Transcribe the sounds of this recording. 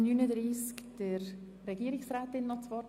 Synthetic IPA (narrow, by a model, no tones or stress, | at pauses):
nyːnədɾiːskd̥əɾ | ɾɛɡiːɾɪksraːtɪnːɔt͡svɑː